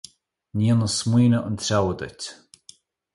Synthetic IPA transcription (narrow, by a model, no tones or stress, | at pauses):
nʲiːənəsmwiːnəʔənt̪ʰɾawəd̪ə̰tʲ